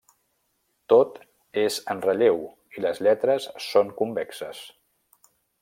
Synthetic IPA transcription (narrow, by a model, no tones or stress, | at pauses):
t̪ot̪ | ezənrəʎew | iləzʎɛt̪ɾəsːoŋkumbɛksə̰s